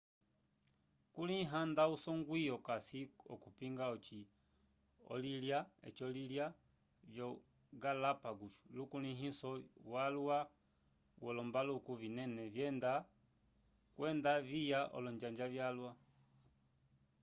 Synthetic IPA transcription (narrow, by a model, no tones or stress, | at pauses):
kuliɦandausɔŋɡwijɔkasiɔ̰kupiŋɡaɔt͡ʃi | ɔ̰liljaɛ̰t͡ʃɔlilja | vjɔ | ɡalapaɡutu̥lukuliɦisɔwalwa | wɔlɔmbalukuvinɛnɛvjɛnda | kwɛndavijaʔɔ̰lɔɲd͡ʒaɲd͡ʒavjalwa